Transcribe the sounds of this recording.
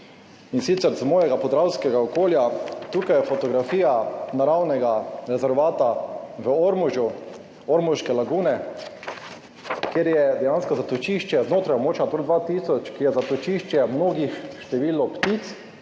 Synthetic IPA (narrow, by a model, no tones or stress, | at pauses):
insit̪sɛɾzmoːjɛɡapɔzd̪ɾawskɛɡaokoːljat̪uːkajɛfɔt̪ɔɡɾafiːjanaɾawnɛɡaɾɛzɛɾʋaːt̪aʋəoɾmɔʒju | ɔɾmɔʃkɛlaɡuːnɛ | keɾjɛd̪ɛjanskɔzat̪ɔt͡ʃiʃt͡ʃjɛznoːt̪ɾajɔmoːt͡ʃat̪old̪ʋaːt̪iːsɔt͡ʃkijɛzat̪ɔt͡ʃiʃt͡ʃjɛmnoːɡixʃt̪ɛʋiːlɔpt̪it̪s